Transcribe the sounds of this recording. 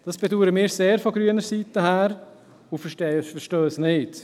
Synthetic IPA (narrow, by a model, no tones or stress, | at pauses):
d̥ɑsb̥ɛduːɾəmɪːɾseːɾfɔɡɾyənəɾsiːt̪əhæːɾ | ʊfəʃtefəɾʃtøːsnɪːt